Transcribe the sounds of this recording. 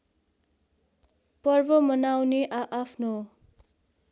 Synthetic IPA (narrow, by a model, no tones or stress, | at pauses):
pʌrbʌmʌnawneʔaʔapʰno